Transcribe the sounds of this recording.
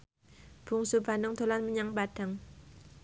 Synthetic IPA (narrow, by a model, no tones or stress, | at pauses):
b̥ṳŋsub̥a̤nʊŋt̪o̤lanməɲaŋpad̥aŋ